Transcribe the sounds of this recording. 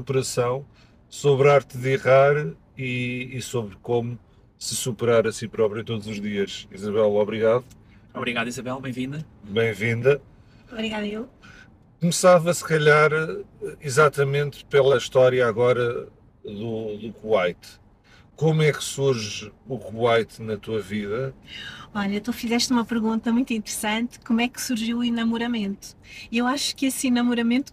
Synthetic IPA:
supɨɾɐsɐ̃w̃ | soβɾaɾt̪ðiʁaɾ | iːsoβɾkomu | sɨsupɨɾaɾɐsipɾɔpɾjuẽt̪od̪uzuʒðiɐʃizɐβɛlˠɔβɾiɣaðu | ɔβɾiɣaðizɐβɛlˠbẽj̃vĩnd̪ɐ | bɐ̃j̃vĩnd̪ɐ | ɔβɾiɣaðɐelˠ | kumsavɐsɨ̥kɐʎaɾizat̪ɐmẽnt̪pelˠɐʃt̪ɔɾjɐaɣɔɾɐ | ðuðukuajt̪ | komwɛksuɾʒukuajt̪nɐt̪uɐviðɐ | ɔʎɐet̪ufizɛʃt̪umɐpɨɾɣũnt̪ɐmũj̃t̪ĩnt̪ɨɾsɐ̃nt̪komwɛksuɾʒiwuinɐmuɾɐmẽnt̪u̥ewaʃu̥kesinɐmuɾɐmẽnt̪u̥

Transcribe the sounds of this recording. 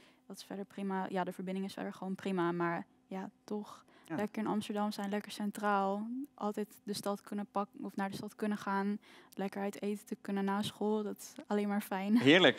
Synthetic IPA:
d̥ɑtɪ̥sfɛdəɹprimajaːdəvəɹbɪndɪŋɪsfɛ̰dəɹχəʋownprimamaːɹ | jatɔχlɛkəɹɪnɑ̰mstəɹdɑmsɛjnlɛkəɹsɛntraːlˠʔɑ̰lˠtɛjtdəstɑtkɵnəpɑkəɔfnaːɹdəstɑtkɵnəχaːnlɛkəɹɛjtejtətəkɵnənːaːsχolˠdɑtɪ̥sɑlejnmaːɹfɛjnɦɪːɹlək

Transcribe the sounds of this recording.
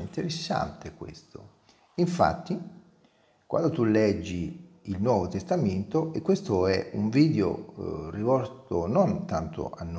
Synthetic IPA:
int̪eɾesːa̰nt̪ekwḛst̪o̰ | iɱfa̰t̪ːi | kwʔa̰nd̪ot̪ulɛd͡ʒːiːlnwɔːvot̪est̪ament̪oʔekːwest̪oɛuɱviːd̪eo̰rivɔɾt̪onont̪ant̪o̰anː

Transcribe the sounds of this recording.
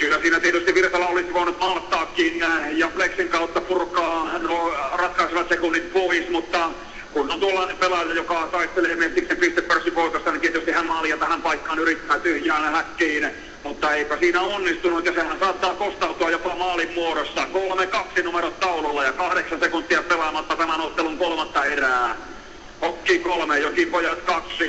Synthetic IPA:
kylːæsiːnæt̪iet̪yst̪iʋʋirt̪ɑlːɑolisiʋoːnut̪mɑlt̪ːɑːkːiːnjæjɑfleksiŋkɑut̪ːɑpurkɑːnorɑt̪kɑisiʋɑt̪sekunːimpoismut̪ːɑ | kunːont̪uolːɑːnempelɑjɑjokɑt̪ɑist̪eleːmelt̪ːiksempist̪eppørsikoit̪ost̪ɑnint̪iet̪yst̪ihænmɑljɑt̪æhæmpɑikːɑːnyrit̪ːæːt̪yhjæːnæhækːiːn | mut̪ːɑeipæsiːnæonːist̪unut̪jɑsehænsɑːt̪ːɑːkost̪ɑut̪uɑjjopɑmɑːlimmuoɾosːɑkolmekɑksinumeɾot̪t̪ɑulolːɑjɑkɑhɾeksɑnsekunt̪ːiɑpelɑmɑt̪ːɑt̪æmænot̪ːeluŋkolmɑt̪ːɑeræː | hokːiːkolmejokipojɑt̪kɑksi

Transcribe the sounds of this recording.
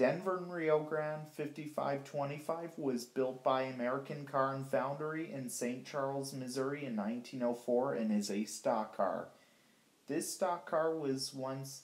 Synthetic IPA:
d̥ɛ̃nvə˞nɹioʊɡɹãʊ̃nd̥fɪftifa̰ɪv̥tʰw̥ɛ̃ɾ̃ifaɪvwʌzbɪlˠt̚b̥aɪɨmɛɹɨkɨ̃nkʰɑɹɨ̃nfãʊ̃ndə˞iʔɪ̃nsẽɪ̃nt͡ʃʰɑɹl̩ˠzmɨzʊɹiɨ̃nːãɪ̃ntʰĩnoʊfɔɹɨ̃nɨzɨstɑkʰɑ̰ɹ | ðɪstɑkʰːɑɹwʌzwʌ̃ns

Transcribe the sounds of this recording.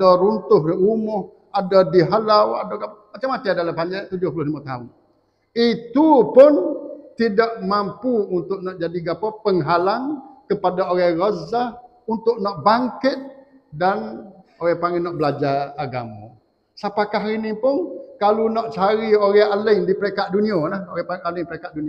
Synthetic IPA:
adɔɾunt̪ʊɦnɔʔumʊh | adɔdiɦalawadɔɡamat͡ʃamat̪iadalampaɲd͡ʒat̪ud͡ʒʊhpulʊhlimat̪aʊn | it̪upʊnt̪idaʔ̚mampuunt̪ʊʔ̚nɔʔd͡ʒadiɡapapəŋɦalaŋkəpadaoɾɛrozah | unt̪ʊʔ̚nɔʔbaŋkɪt̪̚ | danoɣɛpaŋinɔʔbəlad͡ʒaaɡa̰ma̰ | sapakaɦinipʊnkalunɔʔt͡ʃaɾioɾɛhalɪŋdipəɾekat̪̚duniolahoɣɛpaalɪŋpəɾekat̪̚duni

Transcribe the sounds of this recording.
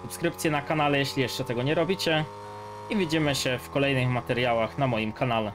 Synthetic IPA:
supskɾɘpt̪sʲjɛnakanalɛjɛɕlʲijɛʂt͡ʂɛt̪ɛɡɔɲɛɾɔbʲit͡ɕɛ | ivʲid͡ʑimɘɕɛfkɔlɛjnɘxmat̪ɛɾjawaxnamɔjimkʰanalɛ

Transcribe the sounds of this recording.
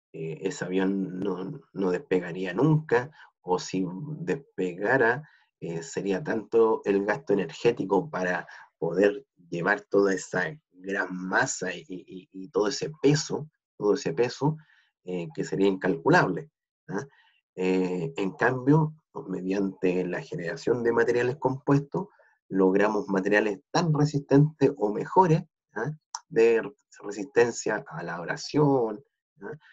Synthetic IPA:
eeseaβjo̞nːoːoðehpe̞ɣaɾianuŋka | osid̪ehpeɣaɾa | ese̞ɾiat̪ant̪oelɣast̪oene̞ɾxe̞t̪ikopaɾapo̞ðeɾ | ʝe̞βaɾt̪oðaesa | ɣɾanmasaiːt̪oðoesepeso | t̪oðoesepe̞so | ekeseɾiaiŋkalkulaβle | a | eeŋkambjo | me̞ðjant̪elaxeneɾasjo̞nd̪e̞mat̪e̞ɾjalesko̞mpwest̪o | loɣɾamozmat̪eɾjalest̪anresist̪e̞nt̪esomexo̞ɾes | aðe | resist̪e̞nsjaʔalaoɾa̰sjon | a

